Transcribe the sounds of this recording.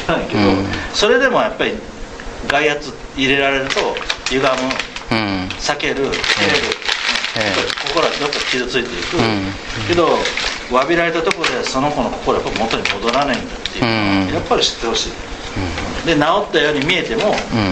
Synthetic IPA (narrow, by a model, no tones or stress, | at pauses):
aĩke̞d̪o̞so̞ɾe̞d̪e̞mo̞japːaɾʲi | ɡaihat͡sɨ | iɾe̞ɾaɾe̞ɾɯ̟t̪o̞jɯ̟ɡamɯ̃ | sake̞ɾɯ̟keɾɯɯ̃japːaɾiko̞ko̞ɾod̪ot̪ːakʲizɨt͡sɨit̪e̞ikɯ̟ke̞d̪o̞βabʲiɾaɾe̞t̪at̪okoɾod̪e̞aso̞no̞konoko̞ko̞ɾo̞ja̰pːaɾimo̞t̪o̞ɲ̟imod̪o̞ɾanaĩnd̪at̪ːe̞jɯnoajapːaɾʲiɕi̥t̪ːe̞ho̞ɕḭ̃ː | d̪e̞nao̞t̪ːajo̞ːɲ̟imʲie̞t̪e̞mo̞